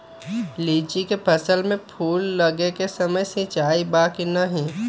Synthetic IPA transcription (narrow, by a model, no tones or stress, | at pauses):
liːt͡ʃikepʰɐsəlmẽpʰuːlːɐɡekesɐməjsĩt͡ʃaːibaːkinɐɦĩ